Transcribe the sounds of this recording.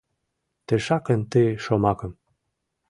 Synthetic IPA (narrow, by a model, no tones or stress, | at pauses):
t̪ĕʃɑkə̆nt̪əʃomɑkɤ̆m